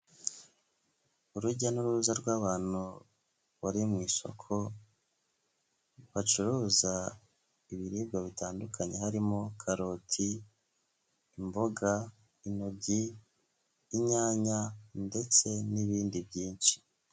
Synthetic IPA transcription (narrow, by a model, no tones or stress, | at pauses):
uɾuɟanuɾuɾuzaɾɡwaːβaːn̥u | βaɾimŋiːso̞̰kʰo̞ | βat͡ʃuɾuːza | iβiɾiːb̚ɡaβitaːndukʰaɲe̞haɾimokʰaɾo̞tʰi | mbo̞ɡa | ino̞ɟiː | ɲaːɲande̞t͡se̞niβiːndibɟiːnʃi̥